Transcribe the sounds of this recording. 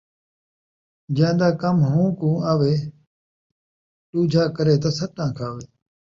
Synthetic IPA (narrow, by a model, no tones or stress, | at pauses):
d͡ʒãːd̪aːkəmɦũːkũːaːʋeː | ʈuːd͡ʒʱaːkəɾeːt̪aːsəʈãːkʰaːʋeː